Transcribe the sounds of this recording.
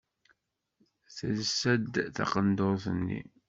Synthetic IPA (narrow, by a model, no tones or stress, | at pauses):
θəzsːæd̪θɑ̰qənd̪oɾθənːḭ